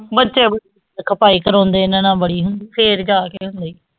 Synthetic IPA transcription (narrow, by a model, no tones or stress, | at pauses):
bətːʃeːbəɽiː | kʰəpaːiːkəɾɔ̃ːnd̪eːnẽːnãːbəɽiːɦʊnd̪iːpʰeːɾd͡ʒaːkeːɦʊ̃nd̪eiː